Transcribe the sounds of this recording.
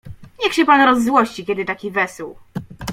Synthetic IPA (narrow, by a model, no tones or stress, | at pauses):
ɲɛxɕɛpanɾɔzːwɔɕt͡ɕikʲɛd̪ɘt̪akʲivɛsw